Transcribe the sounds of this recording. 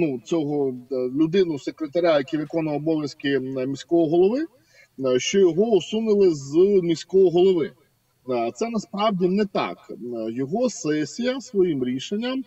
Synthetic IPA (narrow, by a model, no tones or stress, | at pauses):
nut͡sʲɔɦɔlʲʊd̪ɪnʊsekɾet̪ɐɾʲajɐkʲiʋɪkɔnɐwɔbɔʋʲjɐskɪmʲisʲkɔɦɔɦɔlˠɔʋɪ | ʃt͡ʃɔjɔɦɔʊsunɪlˠɪzmʲisʲkɔɦɔɦɔlˠɔʋɪ | t̪sɛnɐspɾɑwdʲinɛt̪ɑ̰kjɔɦɔsɛsʲijɐsʋɔjimɾʲiʃenʲːɐm